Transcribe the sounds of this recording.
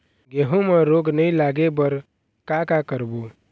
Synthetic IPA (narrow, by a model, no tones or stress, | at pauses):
ɡeɦũmeɾoɡnəjlaɡebəɾ | kakakəɾbu